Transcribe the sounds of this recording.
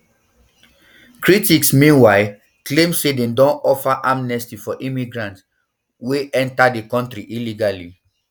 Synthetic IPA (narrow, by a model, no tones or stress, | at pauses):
kɹitiksmĩnwaɪ | klẽmsedẽndɔ̃nɔfaʔamnɛstifɔʔĩmiɡɹãnts | weɛ̃ntadekɔ̃ntɹiʔiliɡali